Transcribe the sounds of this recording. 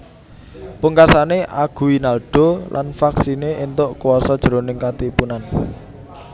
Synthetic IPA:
puŋkasaneʔaɡ̥ṳwinalɖ̥ɔ̤lʔa̰nfaksineʔint̪ʊʔkuwɔsɔd̥ʒ̥əɾonɪŋkat̪ipunan

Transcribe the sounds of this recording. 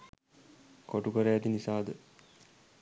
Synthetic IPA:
koʈukəɾeæt̪inisaːd̪ə

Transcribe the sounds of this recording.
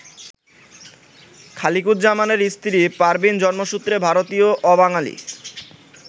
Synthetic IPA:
kʰalikuɾd͡ʑamaneɾist̪iɾipaɾbind͡ʑɔnmoʃut̪ːɾebʱaɾot̪ioʔɔbaŋalḭ

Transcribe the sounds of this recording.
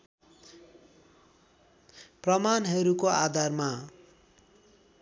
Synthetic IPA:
prʌmanɦʌɾukoad̪ʱarma

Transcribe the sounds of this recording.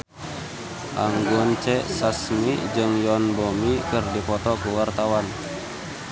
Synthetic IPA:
ʔaŋɡɔnt͡ʃɛsasmid͡ʒɨŋjɔnbɔmikɨrdipɔt̪ɔkuwart̪awan

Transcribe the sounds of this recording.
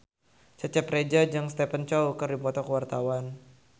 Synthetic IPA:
t͡ʃət͡ʃɛpred͡ʒad͡ʒaŋst̪epənt͡ʃɔukərdipɔt̪ɔkəwart̪awan

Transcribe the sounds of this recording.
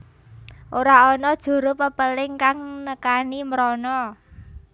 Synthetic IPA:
ʔoɾaɔnɔd̥ʒ̥o̤ɾʊpəpəlɪŋkaŋnəkanimɾɔnɔ

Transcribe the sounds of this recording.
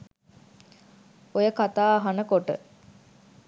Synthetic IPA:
ojəkat̪aːɦɐnəkoʈə̰

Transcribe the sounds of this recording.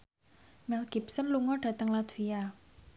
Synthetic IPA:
mɛlɡ̥ipsənluŋɔɖ̥ä̤t̪əŋlat̪via

